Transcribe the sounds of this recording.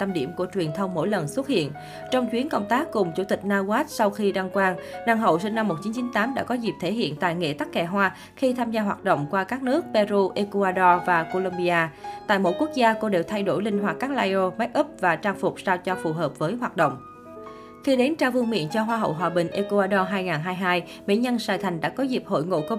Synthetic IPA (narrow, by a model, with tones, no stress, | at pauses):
t̪a˧mɗḭ˧˩əmku˧˩ət͡ɕwi˨˩ənt̪ʰə˧wŋ͡mːo̰˧˥˨jlə˨˩nswə˦˥t̚hḭ˧˨ən | t͡ɕɔ˧wŋ͡mt͡ɕwi˨˦ənkə˧wŋ͡mt̪aː˦˥kːʊ˨˩ŋ͡mt͡ɕu˧˩t̪ï˨˩k̟̚naː˧ɣaː˦˥t̚sa˧wxi˧ɗa˧ŋkwaː˧ŋnaː˧˩ŋɦə̰˧˨wsi˧ŋna˧mːo˨˩t̚t͡ɕi˨˦nt͡ɕi˨˦nt̪aː˨˦mɗa̰ː˧˥kɔ˨˦zi˨˩p̚t̪ʰe˧˩ɦḭ˧˨ənt̪a̰ː˧˨jŋḛ˧˨t̪a˦˥k̚ːɛ˧˩ɦwaː˧ | xi˧t̪ʰaː˧mzaː˧ɦwaː˨˩t̚ɗə̰˧˨wŋ͡mkwaː˧kaː˦˥k̚nɨ˦˥ək̚pɛ˧zu˧ʔe˧ku˧aː˧ɗɔ˧vaː˨˩ko˧lo˧mɓi˧ʔaː˧t̪a̰ː˧˨jmo̰˧˥j̚ku˦˥ək̚zaː˧ko˧ɗe˨˩wt̪ʰa˧jɗo˧˩jlï˧ŋ̟ɦwaː˨˩kaː˦˥k̚laː˧jʔo˧ma˨˦˥j̚ʔə˦˥p̚vaː˨˩t͡ɕaː˧ŋfʊ˨˩k͡p̚saː˧t͡ɕɔ˧fu˨˩ɦəː˨˩p̚vəː˨˦jɦwaː˨˩t̚ɗə̰˧˨wŋ͡m | xi˧ɗe˨˦nt͡ɕaː˧wvu˧əŋmḭ˧˨ənt͡ɕɔ˧ɦwaː˧ɦə̰˧˨wɦwaː˨˩ɓï˨˩ŋ̟ʔe˧ku˧aː˧ɗɔ˧ɦaː˧jŋaː˨˩nɦaː˧jɦaː˧j | mḭ˧˥ɲə˧nsaː˨˩jt̪ʰa˨˩ŋ̟ɗa̰ː˧˥kɔ˨˦zi˨˩p̚ho̰˧˨jŋo̰˧˨ko˧